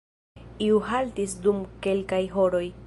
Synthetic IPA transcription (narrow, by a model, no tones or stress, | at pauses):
iuɦaltisdumke̞lkajɦo̞ɾo̞j